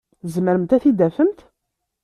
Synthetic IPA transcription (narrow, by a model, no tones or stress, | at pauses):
zəməɾəmt̪æθid̪æfənt̪